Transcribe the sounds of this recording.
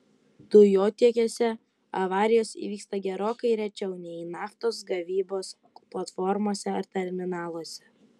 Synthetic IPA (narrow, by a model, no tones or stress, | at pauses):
d̪̥ʊjoːt̪ʲiɛkʲesʲɛ | ɐ̰ʋɑːɾʲɪjoːsḭʋʲiːkst̪ɐɡʲɛɾoːkɐɪɾʲɛt͡ʃʲɛʊnʲɛiːnɑːft̪oːs̬ɡɐʋʲiːboːs | plˠɐt̪fɔɾmoɔsʲɛɐɾt̪ʲɛɾʲmʲɪnɑːlˠoɔsʲɛ̥